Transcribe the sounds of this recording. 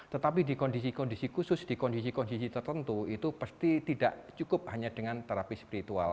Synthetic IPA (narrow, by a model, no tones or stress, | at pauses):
t̪ət̪apidikondisikɔndisikusʊsd̥ikɔndisikɔndisit̪ərt̪ənt̪uit̪upərst̪it̪idaʔt͡ʃukʊp̚haɲadəŋant̪əɾapɪspiɾit̪ua̰l